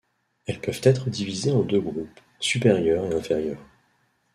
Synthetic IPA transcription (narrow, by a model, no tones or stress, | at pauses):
ɛlpœv̥t̪ɛt̪χəd̪ivizeɑ̃d̪øɡʁup | sypeʁjœʁeɛ̃feʁjœːʁ